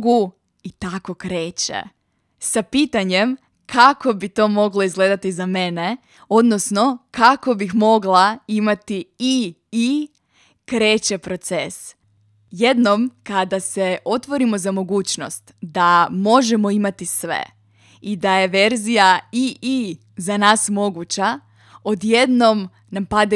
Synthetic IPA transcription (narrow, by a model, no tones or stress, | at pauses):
ɡu | it̪ako̞kɾe̞ːt͡ɕḛ | sapiːt̪aɲem | kʰako̞bit̪o̞ːmo̞ɡlo̞izɡle̞d̪at̪izame̞ne̞ | o̞d̪nosno̞kako̞bixmo̞ɡlaimat̪ii | i | kɾe̞ːt͡ɕe̞pɾo̞t̪ses | je̞d̪no̞mkad̪ase̞o̞t̪ʋo̞ɾimo̞zamo̞ɡuːt͡ɕno̞̰st̪d̪amo̞ʒemo̞imat̪isʋḛ | id̪aje̞ʋe̞ɾzijaiːi | zanaːsmo̞ɡut͡ɕa | od̪je̞d̪no̞m | nampad̪e